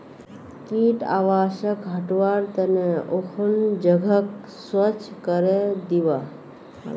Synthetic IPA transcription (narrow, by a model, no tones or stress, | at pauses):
kiʈa̰ʋaːʃəkɦəʈʋaɾt̪əneʔokʰund͡ʒəɡʱək | swət͡ʃkəɾed̪iʋa